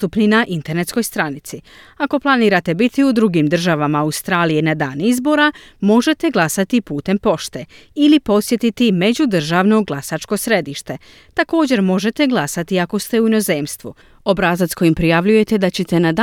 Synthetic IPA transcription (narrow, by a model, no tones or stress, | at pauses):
t̪upninaʔint̪e̞ɾne̞t̪sko̞jst̪ɾanit̪si | ako̞plˠaniːɾat̪e̞bit̪iud̪ɾuɡimd̪r̩ʒaʋamaːust̪ɾaːlije̞nad̪aːnizbo̞ɾamo̞ʒe̞t̪e̞ɡlˠasat̪ipuːt̪e̞mpo̞ʃt̪e̞ilipo̞sje̞t̪it̪ime̞d͡ʑud̪r̩ʒaʋno̞ɡlˠasat͡ʃko̞sɾe̞d̪iʃt̪e̞ | t̪ako̞ːd͡ʑe̞ɾmo̞ʒe̞t̪e̞ɡlˠasat̪iako̞st̪e̞uino̞ze̞ːmst̪ʋṵ | o̞bɾazat̪sko̞jimpɾijaʋʎuje̞t̪e̞d̪at͡ɕet̪e̞nad̪